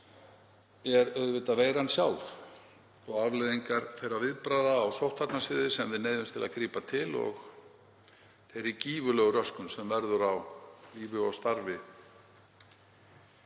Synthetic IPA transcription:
ɛɾœðvɪt̪avejɾansjaw̪θ | ɔɣavlejðiŋkaɾ̥θejɾːavɪðpɾaːjðaːwsowht̪at̪nasɪːðɪsɛmðɪneːjðʏmst̪ʰɪla̰kɾiːpat̪ʰɪlɔ̰ɣ | θejɾiciːvʏlœɣʏɾœskʏnsɛmvɛɾðʏɾawliːvɪɔwst̪aɾvɪ

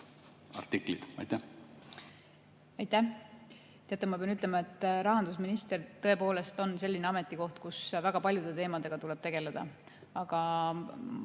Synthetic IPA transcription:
ɑ̰rt̪iklid̪̥ɑ̰jt̪æh | ɑjt̪ːæh | t̪eɑt̪ːˑemɑpeɑnyt̪ːˑlemɑe̞t̪ːˑɾɑɦɑnd̪̥us̬minist̪ert̪ɤepo̞ːle̞st̪o̞nse̞lːineɑme̞t̪ːˑiko̞ht̪kusvæɡ̥ɑpɑlʲjud̪e̞t̪e̞ːmɑd̪e̞ɡ̥ɑt̪ule̞b̥̚t̪e̞ɡ̥e̞le̞d̪̥ɑ̰ | ɑɡ̥ɑ

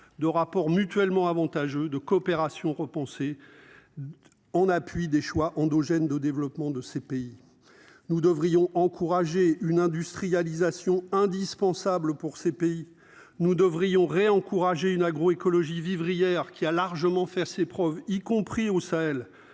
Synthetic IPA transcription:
d̪əʁapɔʁmyt̪ɥɛlmɑ̃avɑ̃t̪aʒød̪əkɔːpeʁasjɔ̃ʁəpɑ̃se | ɑ̃napɥid̪eʃwaʔɑ̃d̪ɔʒɛnd̪əd̪evlɔpmɑ̃d̪əsepei | nud̪əvʁijɔ̃ʔɑ̃kʰuʁaʒeynɛ̃d̪yst̪χijalizasjɔ̃ɛ̃d̪ispɑ̃sabləpuʁsepei | nud̪əvʁijɔ̃ʁeɑ̃kuʁaʒeynaɡʁoekɔlɔʒivivʁijɛʁkʲialaʁʒəmɑ̃fɛsepχœvikɔ̃pχiosaɛl

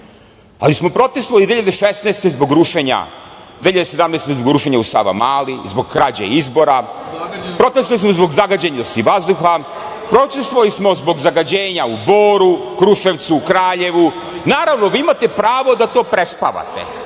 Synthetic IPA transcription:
a̰lismo̞pɾo̞t̪est̪oʋalid̪eçiʎad̪eʃest̪neːst̪ezbo̞ɡɾuʃeɲa̰d̪eçiʎad̪esed̪amnest̪ezboɡɾuʃeɲausa̰ʋa̰maːlizbo̞ɡkɾad͡ʑḛizbo̞ɾa | pɾo̞t̪est̪oalismozbo̞ɡzaɡad͡ʑeɲad̪ost̪iʋazd̪uxa | pɾot̪est̪oʋalismo̞zbo̞ɡzaɡad͡ʑeːɲauboːɾukɾuʃe̞ʋt̪sukɾaːʎe̞ʋu | naːɾaʋno̞ʋiimat̪e̞pɾaːʋo̞d̪at̪o̞ːpɾespa̰ʋa̰t̪ḛ

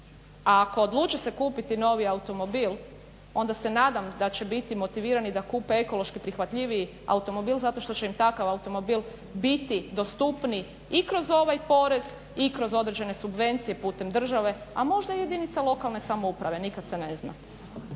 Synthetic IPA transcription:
aːko̞ːd̪lˠuːt͡ʃese̞kuːpit̪ino̞ʋiaut̪o̞mo̞bilˠ | o̞nd̪ase̞naːd̪amd̪at͡ɕe̞bit̪imo̞t̪iʋiːɾanid̪akuːpe̞eko̞lˠo̞ʃkipɾixʋat̪ʎiʋiji | a̰ut̪o̞mo̞biːlˠzat̪o̞ʃt̪o̞t͡ɕe̞imt̪akaʋaut̪o̞mobiːlˠ | bit̪id̪o̞st̪upni | ikɾo̞zo̞ʋajpo̞ɾe̞z̥ | ikɾo̞zo̞d̪ɾed͡ʑe̞ne̞subʋe̞nt̪sije̞puːt̪e̞md̪r̩ʒaʋe̞amo̞ʒd̪aije̞d̪init̪salo̞kalne̞samoupɾaʋe̞nikad̪sene̞zna̰

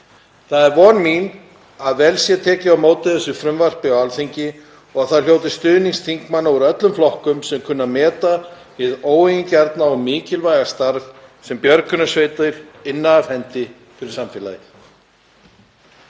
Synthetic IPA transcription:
θaðɛɾvɔɾmin | aðvɛlsjɛt̪ʰɛːcɪawmoːwt̪ɪðɛsːʏfɾʏmvar̥pɪɔwalθeɲcɪ | ɔɣaθaɾ̥ljoːwt̪ɪst̪ʏːðniŋst̪ʰiŋkmanːawʏɾœt̪lʏmflɔhkʏmsɛmkʰʏnːamɛːt̪a | vɪðoːwejncaɾt̪naɔmɪːcɪlvajɣast̪aɾvsɛmpjœɾkʰʏnasveːjt̪ʏɾ̥ɪnːaːvhɛnt̪ɪ | fɪɾɪɾ̥samfɪːla̰jɪθ

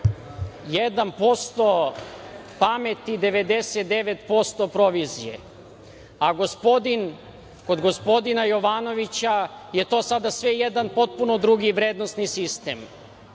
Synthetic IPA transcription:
jed̪anpo̞st̪o̞ | pame̞t̪id̪e̞ʋe̞d̪eset̪̚d̪e̞ʋet̪po̞st̪o̞pɾo̞ʋizijḛ | aɡo̞spo̞d̪in | ko̞d̪ɡo̞spo̞d̪inajo̞ʋano̞ʋit͡ɕaje̞t̪o̞ːsad̪asʋe̞jed̪anpo̞t̪̚punod̪ɾuɡiʋɾeːd̪nost̪nisist̪em

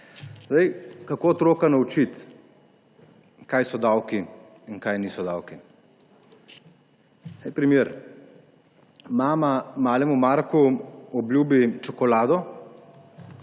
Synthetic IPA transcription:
zd̪ajkakoːt̪ɾoːkanaut͡ʃit̪ | kajsɔd̪awki | iŋkajniːsɔd̪aːwki | ajpɾɛmjeːɾ | maːmamaːlɛmumaɾkuɔblʲjuːbit͡ʃɔkɔlaːd̪ɔ

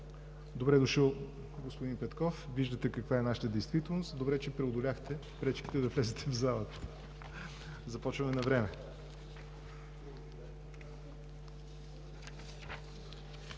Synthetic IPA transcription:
d̪obɾɛd̪ʊʃəlˠ | ɡospʊd̪inpɛt̪kɔfviʒd̪ət̪ɛkɐkvaɛnaʃə̥t̪əd̪ɛjst̪vit̪ɛlˠnost̪d̪obɾɛt͡ʃɛpɾɛod̪ʊlʲaxt̪ɛ | pɾɛt͡ʃkʲi̥t̪ɛd̪ɐvlʲɛzɛt̪ʰɛvzalˠət̪ | zɐpɔt͡ʃvɐmɛnɐvɾɛmɛ

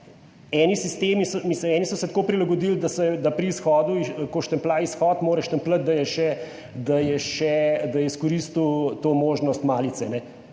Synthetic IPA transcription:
ɛːnisist̪eːmisɔmisləmɛːnisɔsɛt̪koːpɾilaɡɔd̪iːld̪asɛd̪apɾiːsxɔːd̪uikoʃt̪əmplaːisxɔːt̪moːɾɛʃt̪əmplət̪̚d̪ɐjɛʃɛ | d̪ajɛʃɛd̪ɐjɛiskɔɾist̪uwt̪oːmoːʒnɔst̪maːlit̪sɛnɛ

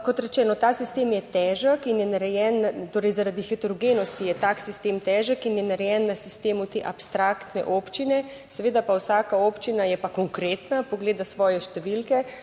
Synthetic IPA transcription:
kɔt̪ɾɛt͡ʃɛːnɔt̪aːsist̪eːmjɛt̪ɛːʒəkinjɛnaɾɛjɛnt̪oːɾɛjzaɾad̪ixit̪uɾɡeːnɔst̪ijɛt̪aːksist̪eːmt̪ɛːʒəkinjɛnaɾɛjɛnːasist̪eːmut̪eːʔapst̪ɾakt̪nɛ̰ʔopt͡ʃinɛ | sɛʋeːd̪apawsaːkaoːpt͡ʃinajɛpakoŋkɾeːt̪napoɡleːd̪asʋɔːjɛʃt̪ɛʋilkɛ

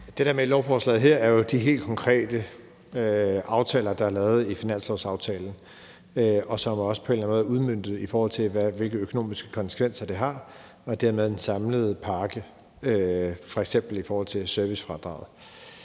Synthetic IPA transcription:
d̥e̝d̥e̝ɐmelɒʊfɒːslɛ̰ːð̩ˠɦeɐ̰æɐjo̝d̥iɦe̝̰ːld̥kʰɒ̽ŋkʰʁɛ̰ːd̥ə | øɑ̈ʊt͡sʰɛːlɐd̥ɑ̈æɐlɛːʊð̞̩ˠifinæn̰slɒʊsɑ̈ʊt͡sʰɛːln̩ | øɒ̽sɒ̽mɒ̽sə̥pʰɒ̽e̝nlænmoːð̩ˠuð̞ˠmøn̰d̥ð̩ˠifɒːhɒ̽l̰t͡sʰe̝lʋæʋe̝lɡ̥əøkʰo̝no̝̰ːmisɡ̥ə̥kʰɒ̽nsə̥kʰʋen̰sɐd̥e̝ɦɑ̈ | ɒ̽d̥eɐmeð̞ˠd̥ensɑ̈mləð̞̩ˠpʰɑ̈ːɡ̥ə | øfɒ̽eɡ̥sem̰b̥l̩ifɒːhɒ̽l̰t͡sʰe̝lsøɐʋisfʁɑ̈d̥ʁɑ̈ʊð̩ˠ

